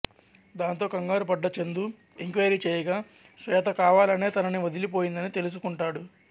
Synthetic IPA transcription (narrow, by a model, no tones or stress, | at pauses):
d̪aːnt̪o̞ːkɐŋɡaːɾupɐɖːɐt͡ʃe̞nd̪u | iŋkʋɐjɐɾiːt͡ʃɛːjɐɡaː | sʋɛːt̪ɐkaːʋaːlɐne̞ːt̪ɐnɐniʋɐd̪ʱilipo̞ːjind̪ɐnit̪e̞lus̬ukuɳʈaːɽu